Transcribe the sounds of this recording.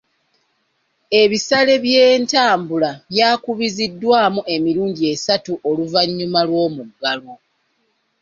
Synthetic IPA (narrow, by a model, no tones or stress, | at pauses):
e̞βisale̞βjeːntaːmbulaβjaːkuβizidːwaːmuʔe̞miɾuːɲɟie̞satuʔo̞luvaɲːumalwo̞ːmuɡːalo